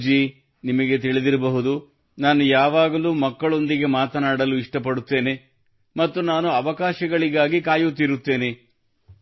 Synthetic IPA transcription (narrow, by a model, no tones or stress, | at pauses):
d͡ʒi | nimɐɡe̞t̪iɭid̪iɾɐbɐɦud̪u | naːnujaːʋaːɡɐluːmɐkːɐɭo̞nd̪iɡe̞maːt̪ɐnaːɽɐluiʂʈɐp̬ɐɽut̪ːe̞ːne̞ | mɐt̪ːunaːnuɐʋɐkaːʃɐɡɐɭiɡaːɡikaːjut̪ːiɾut̪ːe̞ːne̞